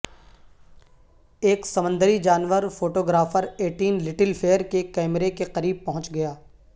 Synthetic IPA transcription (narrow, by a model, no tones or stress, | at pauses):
eːksɐmə̃nd̪əɾid͡ʒaːnʋəɾfoːʈoːɡɾaːfəɾeːʈiːnlɪʈɪlfʰeːəɾkekɛːmɾekeqɐɾiːb̚pɐɦʊ̃t͡ʃɡɐjaː